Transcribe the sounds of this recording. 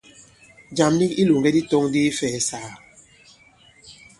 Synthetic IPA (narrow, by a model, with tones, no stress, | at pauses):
d͡ʒa˨mli˦ki˦lu˨ŋɡɛ˦di˦to˦ŋdi˦fɛː˨saː˨